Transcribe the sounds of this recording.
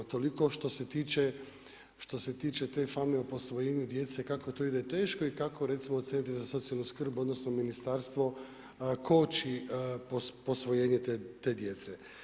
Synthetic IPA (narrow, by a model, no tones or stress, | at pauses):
t̪o̞liko̞ʃt̪o̞set̪iːt͡ʃe | ʃt̪o̞se̞t̪iːt͡ʃe̞t̪e̞fameopo̞sʋojeːɲud̪jet̪sekako̞t̪o̞id̪et̪e̞ːʃko̞ikako̞ɾe̞t̪simoːt̪sʲeːnit̪izaso̞t̪sialnuskr̩buo̞d̪no̞snominist̪aɾst̪ʋo̞ | kʰo̞t͡ʃipopo̞sʋo̞jeːɲet̪et̪e̞ːd̪je̞t̪se